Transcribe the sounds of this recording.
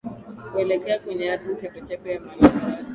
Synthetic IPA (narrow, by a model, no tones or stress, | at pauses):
kuɛlɛkɛakwɛɲɛatim̩tɛmɔt͡ʃɛkɔjamalaa